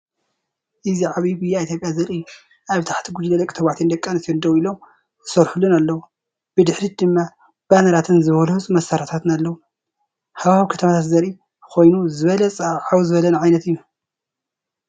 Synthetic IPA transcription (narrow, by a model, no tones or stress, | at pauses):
ʔɨziʕaβibɨjːait̪ʰjopʼjazɐɾi | ʔaβt̪ʰḁħt̪ʰiɡud͡ʒlɐlɐkʼit̪ʰɐβaʕt̪ʰend̪ɐkʼːɐnt̪ʰnd̪ɐwilo̞m | ɨsɐɾħulːunalːɐwu | b̥ɨd̪ɨħɾid̪ɨmːa | b̥anɐɾat̪ʰɨnzɨβɐluhɨsʼmɐsaɾat̪ʰat̪nalːɐwu | haβahaβikʰɐt̪ʰɐmat̪ʰat̪zɐɾʔi | kʰo̞jnuzɨβɐlɐsʼɐβʕawzɨβɐlɐnʕajnɐt̪ɨjːu